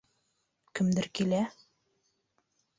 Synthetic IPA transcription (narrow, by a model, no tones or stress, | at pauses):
kɘ̆md̪ɘɾkilæ